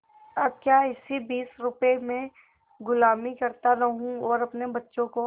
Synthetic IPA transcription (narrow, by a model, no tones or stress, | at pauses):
ɐb̚kjaːɪsibiːsɾʊpemẽ | ɡʊlaːmikɐɾt̪aɾɐɦũɔːɾɐpnebɐtːʃõko